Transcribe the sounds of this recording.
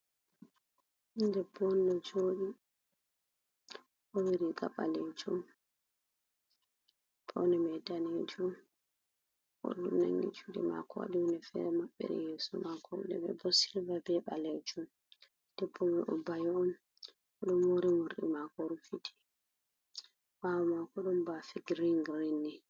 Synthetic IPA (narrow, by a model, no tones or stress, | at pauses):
indɛbɔnɗɔd͡ʒoːɗi | ʔɔwiɾiɡa̰ɓalɛd͡ʒum | pʰɔnɛmɛdaned͡ʒum | ʔɔ̰ɗumna̰ŋɡḭt͡ʃuɗḭma̰kɔwa̰ɗinɛfɛ̰ɾmaɓːɛ̰ɗɛ̰jeːsumakɔdɛ̰ɓɛ̰bɔsilvabɛɓalɛd͡ʒum | d̥ɛpʰːɔmiʔɔbajɔɔm | ɔɗɔmwoɾimuɾɗḭmakɔɾufitʰi̥ | ʔawɔmakɔɗumbafiɡɾiŋɡɾinːi